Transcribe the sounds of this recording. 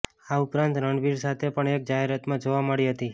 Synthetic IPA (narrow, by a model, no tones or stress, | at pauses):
aʊpɾãnt̪ɾəɳɖʋiɾsat̪ʰepəɳek̚d͡ʒaɦeɾat̪mãd͡ʒoʋaməɭiɦət̪i